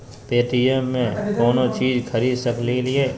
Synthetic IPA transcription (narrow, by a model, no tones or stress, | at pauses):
peːʈijemːẽkɔːnot͡ʃiːd͡ʒkʰɐɾiːd̪sɐklelieː